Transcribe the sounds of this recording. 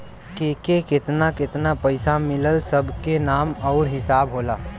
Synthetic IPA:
keːkekɪt̪nakɪt̪napəɪsamɪləlsəbʱkenaːmɔʊɾɦɪsaːbɦoːlaː

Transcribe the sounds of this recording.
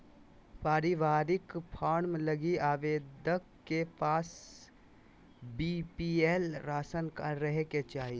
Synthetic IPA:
paːɾɪʋaːɾɪkpʰaːɽmləɡiaːʋeːd̪əkːepaːs | bipielɾaːsənkaɾəɦeket͡ʃaːɦi

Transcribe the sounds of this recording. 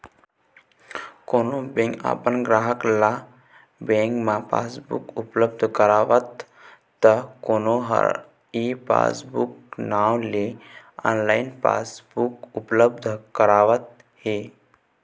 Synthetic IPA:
koːnobẽŋka̰ːpənɡɾaːɦəkla | bẽːŋkmãpa̰ːsbṵkʊpləbd̪ʱkəɾaːʋət̪ː | əkoːnoɦə̰ɾ | ipa̰ːsbuk̚naːwle | a̰ːnlaːɪnpa̰ːsbukʊpləbd̪ʱkəɾaːʋət̪̚ | heː

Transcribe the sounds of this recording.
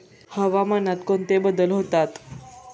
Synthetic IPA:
həʋamanat̪kont̪ebəd̪əlɦot̪at̪

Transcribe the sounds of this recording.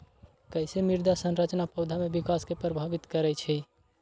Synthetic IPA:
kəjsemiɾd̪ʱasənɾət͡ʃnapəwd̪ʱamebikaskepɾəbʱabit̪kəɾɛt͡ʃʰɛ

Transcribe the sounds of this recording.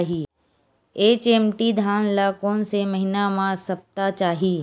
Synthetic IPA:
ɦiː | eːt͡ʃeːmʈid̪ʱaːnlaːkõːnseməɦɪnamãsɐp̚t̪at͡ʃaːɦiː

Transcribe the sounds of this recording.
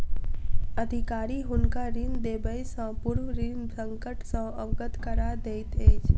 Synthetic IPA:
əd̪ʱɪkaːɾiɦʊnkaɾind̪eːbəjsə̃pʊɾwɾinsə̃ŋkəʈsə̃əʋɡət̪kəɾaːd̪eɪt̪ʰeːd͡ʒ

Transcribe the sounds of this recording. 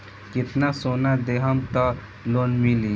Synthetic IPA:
kɪt̪nasonad̪eɦəmt̪ə | lonmili

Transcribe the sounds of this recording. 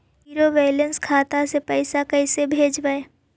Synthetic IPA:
iɾobeːlə̃nskʰaːt̪asepɛɪsakɛɪsebʱeːd͡ʒbae

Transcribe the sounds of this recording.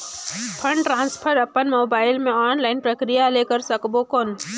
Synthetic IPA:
pʰə̃ɳɖʈɾãːnspʰəɾɐpənmoːbaːɪlmẽɔːnlaːɪnpɾəkɾijalekəɾsɐkbokɔːn

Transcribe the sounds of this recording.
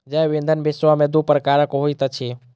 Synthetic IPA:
d͡ʒajʋẽnd̪ʱənbesʋamẽd̪upəɾəkaːɾəkoɦoit̪ət͡ʃʰe

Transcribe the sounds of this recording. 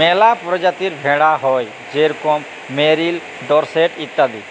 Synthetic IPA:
mɛlapɾɔd͡ʒat̪iɾbʱɛɽaɦɔj | d͡ʒeɾukɔmː | eɾil | ɖɔɾsɛʈit̪ːad̪ḭ

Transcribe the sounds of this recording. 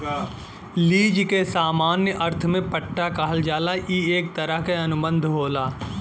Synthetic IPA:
liːd͡ʒkesaːmaːnjəʔɐɾt̪ʰmẽpəʈːakaɦəld͡ʒaːlaʔiːeːk̚t̪əɾəɦkeɐnʊbə̃nd̪ʱɦoːlaː

